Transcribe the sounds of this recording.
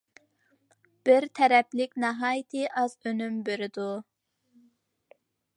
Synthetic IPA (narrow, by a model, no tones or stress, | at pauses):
b̥ɪɾt̪ʰɛɾɛplɪkʲnɑɦɑːjit̪ʰɪʔɑzønymbeɾɪd̪u